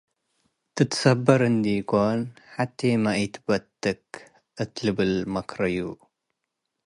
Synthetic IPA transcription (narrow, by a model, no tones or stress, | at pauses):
t̪ɨt̪sɐbːɐɾɨnd̪ikɔnħat̪ʰːemaʔit̪bɐt̪ːɨk | ʔɨt̪lɨbɨlmɐkɾɐju